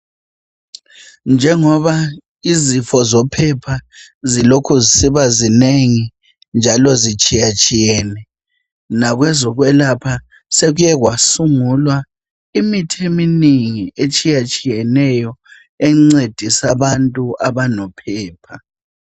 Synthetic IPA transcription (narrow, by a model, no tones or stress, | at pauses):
nd͡ʒʱɛŋɔβa | izifɔzɔpʰɛpʰazilokʰuzisiβazineŋi | nd͡ʒʱalɔzit͡ʃʼijat͡ʃʼijɛːnɛ | naɣwɛzɔɣwɛlapʰa | seɣujɛɣwasuŋulwa | imitʰeminiŋiet͡ʃʼijat͡ʃʼijɛnɛjɔ | ɛŋ͡ǀed̥ʱisaβantʼuʔaβanɔpʰɛːpʰa